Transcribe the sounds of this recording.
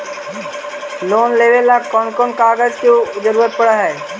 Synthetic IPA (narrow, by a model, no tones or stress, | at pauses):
loːnleːʋelakɔːnkɔːnkaːɡəd͡ʒkjod͡ʒəɾuːɾət̪̚pɐɽaɦɛː